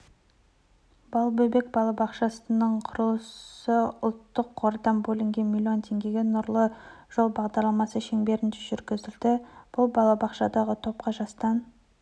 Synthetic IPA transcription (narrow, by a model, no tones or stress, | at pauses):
bɑlˠbɵbe̞k̚bɑlˠɑbɑqʃɑsənəɴqʰʊɾəlˠəsəʊlˠt̪ːəqʰːo̞ɾd̪ɑmbɵlɪŋɡʲe̞nmʲilʲːjio̞nt̪ʰe̞ŋɡʲe̞ɡʲe̞nʊɾlˠəʒ̥o̞lˠbɑʁd̪ɑɾlˠɑmɑsəʃe̞ŋbe̞ɾɪnd̪ɪʒʏɾɡʲɪzɪld̪ɪb̥ʊlˠbɑlˠɑbɑqʃɑd̪ɑʁət̪ʰo̞p̚qɑʒɑst̪ɑn